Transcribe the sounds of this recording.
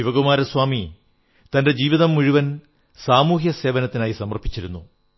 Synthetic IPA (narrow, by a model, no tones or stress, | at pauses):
iʋɐɣumaːɾɐswaːmi | t̪ɐnde̞d͡ʑiːʋiðɐmːuɻiʋɐn | saːmuːɦjɐse̞ːʋɐnɐt̪ːinaːjisɐmɐrpʰːit͡ɕːiɾunːu